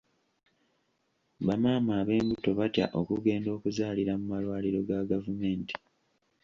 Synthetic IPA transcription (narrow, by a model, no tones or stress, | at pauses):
βamaːmaːβe̞ːmbuto̞βatja̰ʔo̞kuɡe̞ːndo̞ːkuzaːliɾamumalwaːliɾo̞ɡaɡavume̞ːnti̥